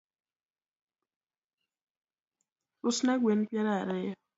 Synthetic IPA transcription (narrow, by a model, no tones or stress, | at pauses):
ʊsnakwenpjaɾaaɾɪɔ